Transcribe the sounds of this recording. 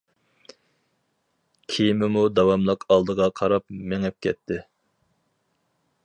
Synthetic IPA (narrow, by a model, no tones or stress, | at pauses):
kʲʰijimɪmud̪ɑwɑmlˠɑqʰɑlˠd̪əʁɑqʰɑɾɑp̚meŋɛp̚kʲʰɛt̪ʰːɪ